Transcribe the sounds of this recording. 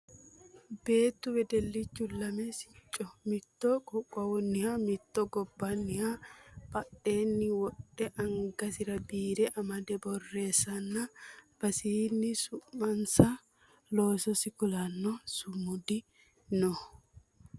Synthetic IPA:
be̞ːt̪ːʊbɛd̪ɛlːɪt͡ʃːʊlɐmɛsɪ̥t͡ʃʼːɔmɪt̪ːɔkʼɔkʼːɐwɔnːɪhamɪt̪ːɔɡɔbːɐnːɪhapɐɗe̞ːnːɪwɔɗːɛʔɐŋɡɐsɪɾɐbiːɾɛʔɐmɐd̪ɛbɔrːe̞ːsɐnːɐb̥ɐsiːnːɪsʊmːɐnsɐ | loːsɔsɪkʊlɐnːɔsʊmʊd̪ɪ | nɔ

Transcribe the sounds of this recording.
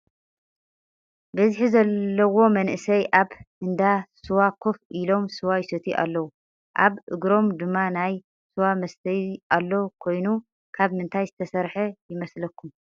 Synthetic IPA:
bɐzħizɐlːɐwo̞mɐnʔɨsɐjʔaβhɨnd̪asɨwakʰofʔilo̞msɨwajsɐt̪ʰiʔa̰lːɐwu | ʔaβʔɨ̰ɡɾo̞md̪ɨmːanaj | sɨwamɐst̪ʰɐjʔalːo̞kʰo̞jnu | kʰaβmɨnt̪ʰajzɨt̪ʰɐsɐɾħɐjɪmɐslɐkːum

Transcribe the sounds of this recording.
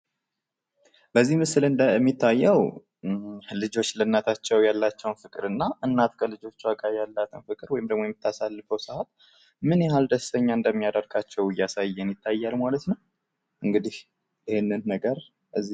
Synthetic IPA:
bəzːihmɨsɨlɨnmːit̪ʰːajːɛw | lɨd͡ʒo̞t͡ʃːlənːat̪ʰat͡ʃːɛwjalːat͡ʃːɛwnfɨkʼɨɾɨnːaʔɨnːat̪kʰəlɨd͡ʒo̞t͡ʃːuakʼaβjalːat̪ʰɨnfɨkʼɨɾwɔjɪmd̪əɡmojɛmːɪt̪ʰːasalːɨfəwsɨhat̪ | mɨnjɛhald̪əst̪əɲːaɨnd̪əmːijad̪əɾɡʰat͡ʃːɛwɨjːasajːɛnjɪt̪ːajːalmalət̪nəw | ʔɨŋɡɨd̪ih | jɪhɪnːɨnːəɡəɾ | ʔɨzːi

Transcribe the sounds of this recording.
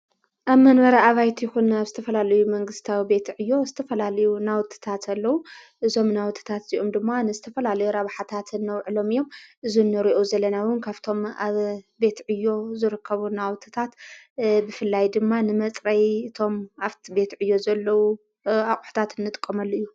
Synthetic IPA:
ʔaβmɐnmɐɾaaβajt̪ʰjɪxunaβzɨt̪ʰɐfɐlalɐjumɐŋɡɨst̪ʰawibe̞t̪ʕɨjːo̞zɨt̪ʰɐfɐlalɐjunawt̪ʰɨ̥t̪ʰat̪ʰɐlːɐwu | ʔɨzo̞mnawt̪ʰɨ̥t̪ʰat̪z̥iʔo̞md̪ɨmːanɨzɨt̪ʰɐfɐlalɐjuɾaβħat̪ʰat̪ɨnːɐwʕɨlo̞mɨjːo̞mʔɨzunːɨɾiʔozɐlɐnawɨnkʰaβt̪ʰo̞maβbe̞t̪ʕɨjːo̞zɨɾɨkʰːɐβunawt̪ʰɨ̥t̪ʰat̪ | bɨfɨlːajd̪ɨmːanɨmɐt͡sʼɾɐjɨt̪ʰo̞maβt̪ʰibe̞t̪ʕɨjːo̞zɐlːɐwu | axʼu̥ħt̪ʰat̪ɨnːɨt̪ʼɨ̥kʼːɐmalːoɨjːu

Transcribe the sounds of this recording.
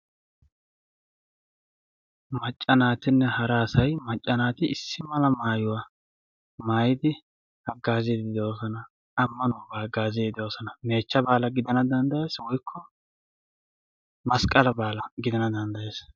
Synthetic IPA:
mɐt͡ʃʼːɐnaːt̪ɪnːɛhɐɾasɐjmɐt͡ʃʼːɐnaːt̪ɪɪsːɪmɐlɐmaːjʊwa | maːjɪd̪ɪ | hɐɡaːzɛd̪ɪd̪oːsɔnɐ | ɐmːɐnobaːɡaːzjd̪ɪd̪oːsɔnɐme̞ːt͡ʃːɐbaːlɐɡɪd̪ɐnɐd̪ɐnd̪ɐje̞ːswɔjkʰːɔ | mɐskʼɐlɐbaːlɐɡɪd̪ɐnɐd̪ɐnd̪ɐje̞ːs

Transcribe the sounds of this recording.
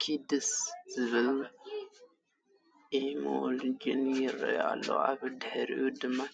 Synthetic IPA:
kʰid̪ɨsz̥ɨβɨl | ʔemold͡ʒinjɪɾɐ̰ja̰lːo̰a̰βɨd̪ħɨɾʔud̪ɨmːa

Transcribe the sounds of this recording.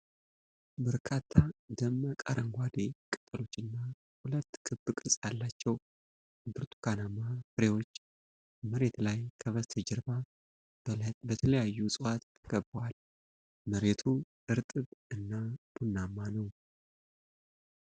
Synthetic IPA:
bəɾkʰat̪ʰːad̪əmːəkʼa̰ɾʔəŋɡʷad̪ekʼɨt̪ʼəlo̞t͡ʃːɨnːa | hulət̪ːkʰʼɨbɨkʼɨsʼjalːat͡ʃːɛw | ɨbɨɾt̪ʰʼu̥kanamafɨɾe̞wo̞t͡ʃː | məɾe̞t̪lajkʰəβəst̪ʰɨd͡ʒɛɾba | bət̪ʰələjajːusʼɨwat̪t̪ʰːəɡəbwal | məɾe̞t̪ʰu | ɨɾt̪ʼɨβɨnːab̥unːamːanəw

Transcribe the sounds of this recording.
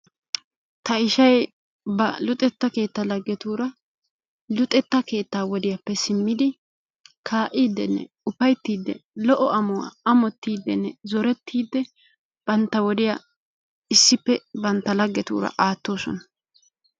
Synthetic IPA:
t̪ɐɪʃɐj | bɐlʊt̪ʼɛt̪ːɐke̞ːt̪ːɐlɐɡːɛt̪uːɾɐ | lʊt̪ʼɛt̪ːɐke̞ːt̪ːaːwɔd̪ɪjɐpːɛsɪmːɪd̪ɪ | kʰaːʔiːd̪ːɛnːɛ̰ | ʊpɐjt̪ːiːd̪ːɛ̰lɔʔɔɐmɔwa̰ɐmɔt̪ːiːd̪ːɛnːɛzɔɾɛt̪ʰːiːd̪ːɛ | b̥ɐnt̪ːɐwɔd̪ɪja | ɪsːɪpːɛbɐnt̪ːɐlɐɡːɛt̪ṵːɾɐ̰ʔaːt̪ːo̞ːsɔ̰nɐ̥

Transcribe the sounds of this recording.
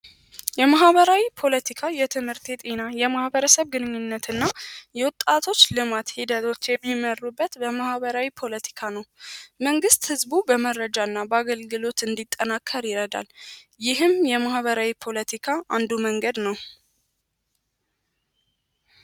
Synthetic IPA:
jɛmahβəɾawipʰo̞lət̪ʰikʰajɛt̪ʰɨmhɨɾt̪ʰet̪ʼinajɛmahbəɾəsəβɡɨnɨɲːɨnːət̪ɨnːajɛwʊt̪ʼːat̪ʰo̞t͡ʃːlɨmat̪hid̪ət̪ʰo̞t͡ʃːjɛmːimərːubːət̪bəmahβəɾawipʰo̞lət̪ʰi̥kʰanəwməŋɡɨst̪hɨzbubəməɾəd͡ʒaɨnːabəaɡəlɡɨlo̞t̪ɨnd̪it̪ʼːənakʰːəɾjɪɾəd̪a̰ljɪhɨmjɛmahβəɾawipʰo̞lət̪ʰikʰaʔand̪uməŋɡəd̪nəw

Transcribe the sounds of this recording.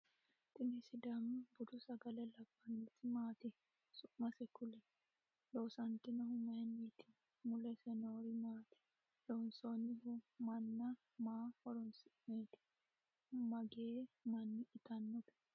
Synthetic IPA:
t̪ɪnɪsɪd̪ɐmɐbʊd̪ʊsɐɡɐlɛlɐbːɐnit̪ɪmaːt̪ɪ | sʊʔmɐsɛkʊlɛ | loːsɐnt̪ɪnɐɦʊmːɐhɛnːet̪ɪ̥ | mʊlɛsɛnoːɾimaːt̪ɪ̥ | lɔnsoːnɪhʊmɐnːɐ | maːfɔɾɔnsɪʔmeːt̪ɪ̥ | mɐɡeːmɐnːɪʔɪt̪ɐnːɔb̪ɛ̥

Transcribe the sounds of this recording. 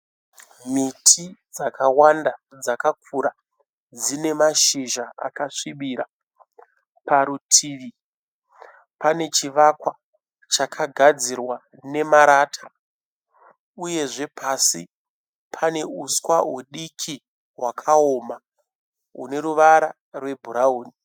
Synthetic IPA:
mitʰid͡zakʰawanda | d͡zakak̚ʰuɾa | d͡zine̞maʃiʒaa̰kaʂiɓiɾa | paɾutʰiːʋi | pane̞t͡ʃiʋakwa | t͡ʃakʰaɡʱad͡zirwa | ne̞maɾaːtʰa | uje̞ʐe̞pʰasi | pʰane̞uskwaweɗikʰi | wakʰaoma | ɦṵne̞ɾuʋaɾa | rwe̞bʱuɾauːni

